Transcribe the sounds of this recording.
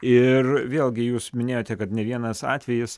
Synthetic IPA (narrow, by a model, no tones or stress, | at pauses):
ɪrʋʲeːlʲˠɡʲɪjuːsmʲɪnʲeːjoːt̪ʲɛkɐt̪nʲɛʋʲiɛnɐsɑ̰ːt̪ʲʋʲɛjɪs